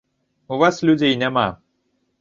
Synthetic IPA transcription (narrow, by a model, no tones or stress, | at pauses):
uvaslʲud͡zʲejnʲɛma̰